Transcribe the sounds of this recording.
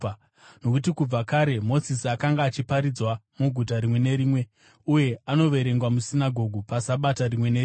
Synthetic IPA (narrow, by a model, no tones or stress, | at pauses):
no̞kut̬ikub͡vakaɾe̞mo̞zisiakaŋɡaːt͡ʃipaɾid͡zwamuɡʱut̬aɾimwe̞ne̞ɾiːmwe̞ | uje̞ano̞ʋe̞ɾe̞ŋɡwamusinaɡʱo̞ɡʱupasaɓataɾimwe̞nei